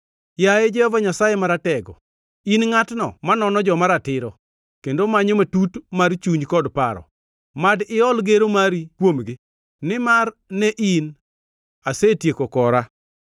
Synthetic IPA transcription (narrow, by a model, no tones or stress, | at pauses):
jaed͡ʒɛhɔvaɲasajemaɾatɛɡɔ̰ | inŋatnɔ̰manɔnɔd͡ʒɔmaɾatɪɾɔ | kendomaɲomatutmart͡ʃuɲkɔdpaɾɔ̰ | madɪɔlɡeɾomaɾikwomɡɪ | nɪmarnɛʔin | asetjekokɔɾa